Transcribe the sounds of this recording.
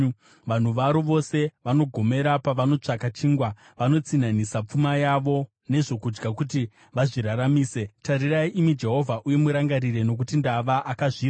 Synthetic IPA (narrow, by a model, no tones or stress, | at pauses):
ʋan̤uʋaɾoʋo̞se̞ʋano̞ɡʱo̞me̞ɾapaʋano̞t͡ʂakat͡ʃiːŋɡwa | ʋano̞t͡sinanisap͡fumajaʋo̞ | ne̞ʐo̞kud͡ʒɡakut̬i | ʋaʐiɾaɾamiːse̞taɾiraiʔimid͡ʒe̞ɦo̞vʱaʔuje̞muɾaŋɡaɾire̞no̞k̬utindaʋaʔakaʐiːra